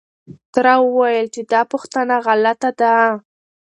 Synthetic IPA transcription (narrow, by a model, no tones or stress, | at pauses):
t̪ɾawəwajəlt͡ʃed̪ɑpʊxt̪ənaɣalat̪ad̪a